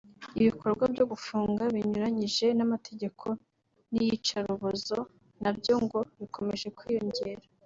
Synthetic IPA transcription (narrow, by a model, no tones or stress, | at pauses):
iβikʰo̞ɾɡwabɟo̞ɡufuːŋɡaβiɲuɾaɲiʒe̞namatʰe̞ɟe̞kʰo̞ | nijit͡ʃaɾuβozo̞ | nabjo̞ŋɡo̞βikʰo̞me̞ʒe̞kwijo̞ɲɟe̞ːɾa